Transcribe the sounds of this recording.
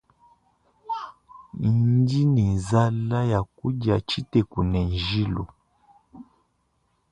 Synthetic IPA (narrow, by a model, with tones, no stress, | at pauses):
di˦ni˨nza˦la˦ja˨ku˦ɟa˨t͡ʃi˦tɛ˨ku˨nɛ˨n˨ʒi˦lu˨